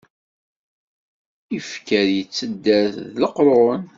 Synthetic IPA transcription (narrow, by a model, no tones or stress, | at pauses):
ifkəɾjət͡sːəd̪ːæθðləqɾˤʊn